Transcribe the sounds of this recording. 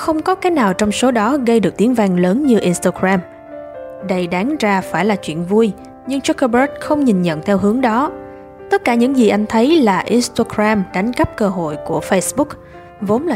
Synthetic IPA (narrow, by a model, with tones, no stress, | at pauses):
xə˧wŋ͡mkɔ˨˦kaː˨˦jnaː˨˩wt͡ɕɔ˧wŋ͡mso˨˦ɗɔ˨˦ɣə˧jɗɨ˨˩ək̚t̪i˨˦əŋvaː˧ŋləː˨˦nɲɨ˧ʔi˧nst̪aː˧ɡɹaː˧m | ɗə˧jɗaː˨˦ŋzaː˧faː˧˩jlaː˨˩t͡ɕwḭ˧˨ənvu˧j | ɲɨ˧ŋt͡ɕu˦˥kə˧bə˦˥t̚xə˧wŋ͡mɲi˨˩nɲə̰˧˨nt̪ʰɛ˧wɦɨ˨˦əŋɗɔ˨˦ | t̪ə˦˥t̚kaː˧˩ɲɨ̰˧˥ŋzi˨˩ʔa˧jŋ̟t̪ʰə˨˦jlaː˨˩ʔi˧nst̪aː˧ɡɾaː˧mɗa˨˦jŋ̟kə˦˥p̚kəː˧ɦo̰˧˨jku˧˩əfə˧jsɓʊ˦˥k̚ | vo˨˦nlaː˨˩